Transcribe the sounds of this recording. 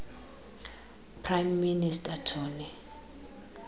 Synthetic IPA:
pʰrajmːinistʼatʰɔːni

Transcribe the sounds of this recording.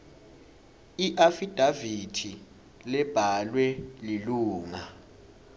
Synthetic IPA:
iʔafid̥ʱavitʰi | lɛb̥ʱalwɛliluːŋa

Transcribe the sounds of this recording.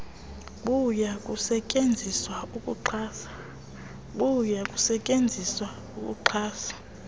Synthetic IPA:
kujakʼusɛcʼend͡zʱiswaukʼṵǃʰaːsḁ | kujakʼusɛcʼend͡zʱiswa | ukʼṵǃʰaːsḁ

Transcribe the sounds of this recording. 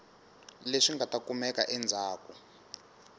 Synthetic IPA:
leʂiŋɡʱatakumɛka̰ʔɛnd͡zʱaːku

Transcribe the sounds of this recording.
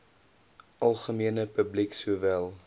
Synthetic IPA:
ʔɐlˠχəmiənəpəbliksuəvælˠ

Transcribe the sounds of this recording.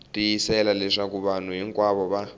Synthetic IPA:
tʼijisɛlalɛʂakuβan̤uɦiŋkʼwaβɔβa

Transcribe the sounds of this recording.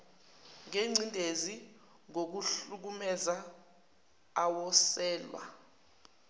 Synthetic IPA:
ŋeŋ͡ǀʱintʼezi | ŋok̬uɬuk̬umɛza | wɔsɛːlwa̰

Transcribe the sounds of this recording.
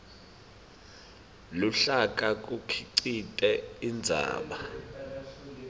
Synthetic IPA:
luɬak̬ʼak̬ʼukʰiǀitʼɛind͡zʱa̰ːɓa

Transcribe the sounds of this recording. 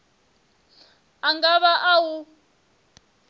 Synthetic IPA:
aŋɡaβaʔawu

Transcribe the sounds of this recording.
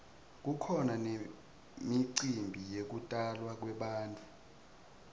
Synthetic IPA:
k̬ukʰɔnane | miǀimbʱijek̬utʼalwak̬wɛɓaːntʼu

